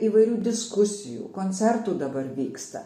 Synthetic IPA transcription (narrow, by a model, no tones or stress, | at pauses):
iːʋɐɪɾʲuːd̪ʲɪskʊsʲɪjṵːkoːnʲt̪sʲɛɾt̪uːd̪ɐbɐɾʋʲiːkst̪ɐ̰